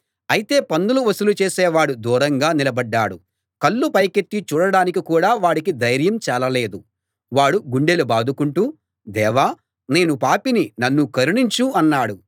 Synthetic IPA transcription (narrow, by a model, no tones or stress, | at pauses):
ɐjit̪e̞ːpɐnd̪uluʋɐsulut͡ʃeːsɛːʋaːɽud̪uːɾɐŋɡaːnilɐbɐɖːaːɽu | kɐlːupɐjkeʈːit͡ʃuːɽɐɽaːnikikuːɽaːʋaːɽikid̪ɐjɾjɐmt͡ʃɛːlɐle̞ːd̪u | ʋaːɽuɡuɳɖe̞lubaːd̪ʱukuɳʈuː | d̪ɛːʋaː | ne̞ːnupaːpininɐnːukɐɾuɳiɲt͡ʃuɐnːaːɽu